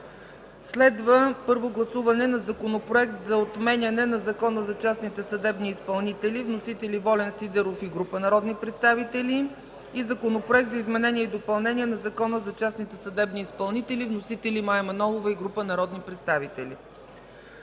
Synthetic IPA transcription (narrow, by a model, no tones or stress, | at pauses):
slɛd̪vəpɤɾvoɡlˠɐsuvɐnɛnɐzɐkonopɾoɛk̚t̪zɐot̪mɛnʲɐnɛnɐzɐkɔnəzɐt͡ʃasnit̪ɛsɐd̪ɛbniːspɐlˠnit̪ɛlʲivnosit̪ɛlʲivɔlɛnsid̪ɛɾofiɡɾupənɐɾɔd̪nipɾɛt̪st̪avit̪ɛli | izɐkonopɾʊɛk̚t̪zɐizmɛnɛniɛid̪opɐlˠnɛnʲiɛnɐzɐkɔnəzɐt͡ʃasnit̪ɛsɐd̪ɛbniːspɐlˠnit̪ɛlivnosit̪ɛlimaɛmɐnɔlˠovɐiɡɾupənɐɾɔd̪nipɾɛt̪st̪avit̪ɛlḭ